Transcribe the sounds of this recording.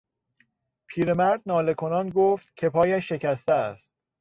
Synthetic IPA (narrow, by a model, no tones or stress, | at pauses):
pʰiːɾemæɾd̪̚nɒːle̞kʰonɒːnɡoːft̪cʰe̞pʰɒːjæʃːe̞cʰæst̪eæst̪̚